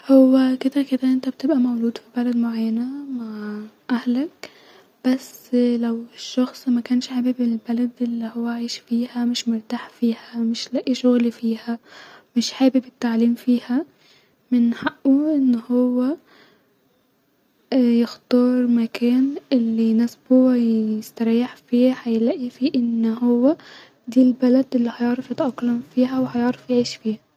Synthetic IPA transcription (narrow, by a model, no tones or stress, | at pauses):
hʊwːekɪd̪akɪd̪aʔɪnt̪ab̚t̪ɪbʔamawluːd̪fibalad̪mʊʕajːanamaʕʔahlak̚ | b̥aslawɪʃːɑxsˤmakaːnʃħabibɪlbalad̪ʔɪlːihʊwːaaʕiːʃfiːhamɪʃmʊɾt̪aːħfiːhamɪʃlaʔʔiʃʊɣlifiːhamɪʃħaːbibɪt̪ːaʕliːmfiːha | mɪnːħaʔːuʔɪnːhʊwːe | jɪxt̪ɑːɾˤmakʰeːnʔɪlːinɪsbhʊwaɪst̪aɾˤiːħfiːħajlaʔifiʔɪnːɦʊwːa | d̪iːlbalad̪ʔɪlːihajɪʕɾɪfjɪt̪ʔɑqːlamfiːɦawħajɪʕɾɪfjʕiːʃfiːha